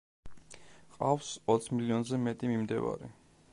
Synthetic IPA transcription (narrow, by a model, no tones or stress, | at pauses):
qʼafsɔt̪sʰmiliɔnzɛmɛt̪ʼimimd̪ɛva̰ɾḭ